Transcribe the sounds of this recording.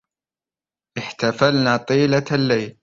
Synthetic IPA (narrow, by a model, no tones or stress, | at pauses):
ʔɪħt̪afalnaːt̪ˤiːlalːajl